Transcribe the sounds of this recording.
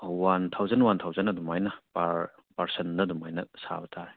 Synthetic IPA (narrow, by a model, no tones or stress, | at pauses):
want̪ʰawzɐnwantʰawzɐnɐdumajnɐpaɾ | paɾsendɐdumajnɐsa̰bɐtʰaɾe